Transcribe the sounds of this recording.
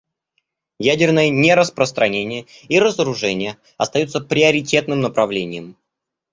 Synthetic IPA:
jædʲɪrnəjənʲeɾəspɾəst̪ɾɐnʲenʲɪjəiɾəzəɾʊʐɛnʲɪjə | ɐ̰st̪ɐjut̪səpɾʲɪəɾʲɪtʲe̞t̪nɨmnəpɾɐvlʲenʲɪjəm

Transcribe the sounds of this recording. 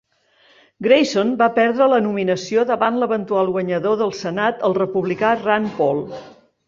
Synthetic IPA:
ɡɾejsonbapɛɾðɾələnuminəsioðəβanləβənt̪ualˠɣwəɲəðoðəlˠsənat̪əlˠrəpuβlikaranpɔlˠ

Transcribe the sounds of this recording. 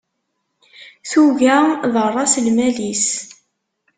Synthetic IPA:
θuʝæðˤərˤːɑslmælis

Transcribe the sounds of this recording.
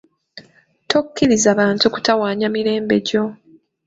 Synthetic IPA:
to̞kːiɾizaβaːntuku̥tawaːɲamiɾe̞ːmbe̞ɟo̞

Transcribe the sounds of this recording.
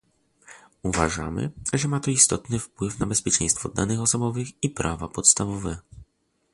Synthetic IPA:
uva̰ʐa̰mɘ̰ʐɛmat̪ɔist̪ɔt̪nɘfpwɘfnabɛspʲjɛt͡ʂɛ̰j̃st̪fɔd̪anɘxɔsɔbɔvɘxipɾʔavapɔt̪st̪avɔvɛ

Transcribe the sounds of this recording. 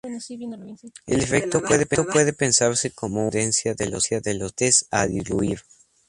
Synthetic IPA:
ḛlefek̚t̪o̞pwe̞ðe̞peopwe̞ðepe̞nsaɾse̞ko̞mo̞uðe̞nsjaðelosjaðelost̪esa̰ðiluiɾ

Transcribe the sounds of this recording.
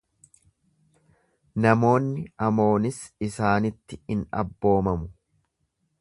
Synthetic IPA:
nɐmo̞ːnːɪɐmo̞ːnɪsɪsaːnɪt̪ːɪɪnɐ̰bːo̞ːmɐmʊ

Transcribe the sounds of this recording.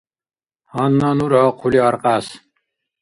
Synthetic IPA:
hɑnːɑnuɾɑqʰuliɑɾqɑs

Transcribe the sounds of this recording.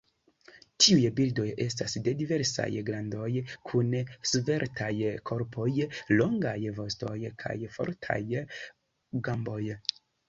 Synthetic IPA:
tʰiujbildo̞je̞stasde̞dive̞ɾsa̰jɡɾando̞jkʰunsve̞ɾtʰajkʰo̞ɾpʰo̞jloŋɡajvo̞sto̞jkʰa̰jfo̞̰ɾtʰa̰j | ɡambo̞j

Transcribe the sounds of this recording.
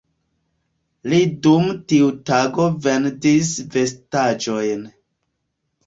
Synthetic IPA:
lidumtiutaɡoventisve̞stad͡ʒo̞jn

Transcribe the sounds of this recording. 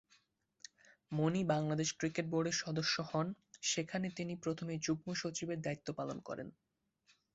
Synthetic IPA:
monibaŋlad̪eʃkɾikeʈ̚boɾɖeɾʃɔd̪oʃːohɔn | ʃekʰanet̪inipɾot̪ʰomed͡ʑuɡ̚moʃot͡ɕibeɾd̪ait̪ːopalonkɔ̰ɾḛn

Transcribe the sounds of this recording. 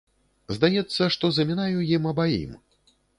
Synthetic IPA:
zd̪ajɛt̪sːɐʂt̪ɔzɐmʲinajujimɐbaḭm

